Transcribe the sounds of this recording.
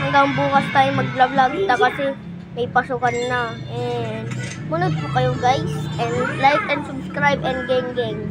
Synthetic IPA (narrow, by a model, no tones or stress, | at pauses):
ʔɐŋɡaŋbuːkɐst̪aːjomɐɡ̚lablaɡt̪ɐkɐsɛ | mɐjpɐsukɐnːaʔɛn | mʊnʊd̪̚pʊkɐjoɡajsʔɛnd̪lajk̚ɛnd̪sʊbskɹajbɛnd̪ɡɛŋɡɛŋ